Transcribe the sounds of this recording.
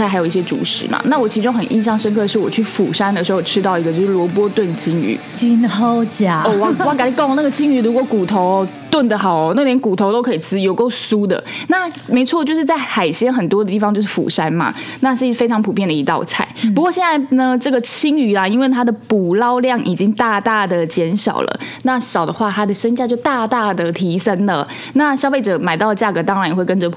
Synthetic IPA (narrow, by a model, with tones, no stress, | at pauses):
a˥˩a˧˥jo˨˩ʊi˥˩ɕjɛ˥ʈ͡ʂṵ˨˩ʂɻ̩̰˧˦ma̰˨˩na˥˩wɔ˨˩t͡ɕʰi˧˥ʈ͡ʂʊ˥ŋxə˨˩nʔḭ˥˧ɕjɑ˥˩ŋʂə˥nkʰɤ˥˧ə˩ʂɻ̩˥˩wɔ˨˩t͡ɕʰy˥˩fṵ˨˩ʂa˥nd̪ə˨˩ʂɻ̩˧˥xo˥˩ʈ͡ʂʰɻ̩˥t̪ɑ˥˩ʊi˧˥ɡə˧t͡ɕjo˥˧ʊʂɻ̩˥˩lwɔ˧˥p̬wɔ˥t̪wə˥˩nt͡ɕʰi˥ŋy̰˨˧˥t͡ɕi˥no˥˩ʊt͡ɕja˨˩ɔ˥˧wa˥˩wa˧˥ka˨˥li˨˩kna˥˩ɡə˩t͡ɕʰi˥ŋy˧˩ɻu˧˥kwɔ˧˦ku˨˩t̪ʰo˧˥ʊ | t̪wə˥˩nd̪ə˨˩xɑ˨˩ʊ˦na˥˩əljɛ˧˥nku˨˩t̪ʰo˧˥ʊt̪o˥ʊkʰɤ˧˥i˨˩sʰɹ̩˥jo˨˩ʊko˥˩ʊsu˥d̪ə̰˨na˥˩me˧˥ɪt͡sʰwɔ˥˧t͡ɕjo˥˧ʊʂɻ̩˥˧t͡sa˥˩ɪxa˨˩ɪɕjɛ˥nxə˨˩nt̪wɔ˥d̪ə˩t̪i˥˩fɑ˨ŋt͡ɕo˥˧ʊʂɻ̩˥˩fṵ˨˩ʂa˥nmɐ̰˨na˥˧ʂ̩˥˩˥fe˥ɪʈ͡ʂʰɑ˧˥ŋpʰu˨pʰjɛ˥˩nd̪ə˩i˧˥t̪ɑ̰˥˧ʊt͡sʰa˥˩ɪpu˧˥kwɔ˥˧ɕjɛ˥˧na˥˩ɪnə˨ʈ͡ʂɤ˥˩ɡə˩t͡ɕʰi˥ŋy˧˥la˨i˥nwe˥˩ɪt̪ʰa˥d̪ə˨pu˨˩lɑ˥ʊljɑ˥˩ŋʔi˨˩t͡ɕi˥ŋt̪a˥˧t̪a˥˩d̪ə˩t͡ɕjɛ˧˥nʂɑ̰˨˩ʊlʔə̰˩na˥˩ɕɑ˨˩ʊd̪ə˦xwa˥˩t̪ʰa˥d̪ə˨ʂə˥nt͡ɕja˥˧t͡ɕjo˥˧ʊt̪a˥˧t̪a˥˩d̪ə˩t̪ʰi˧˥ʂə˥nlə˨ | na˥˩ɕjɑ˥ʊfe˥˩ɪʈ͡ʂɤ˨˩ma˨ɪt̪ɑ˥˩ʊlə˩t͡ɕja˥˩ɡɤə˩˦t̪ɑ˥ŋɻa˧n˨˧xwe˥˩ɪkə˥nʈ͡ʂə˨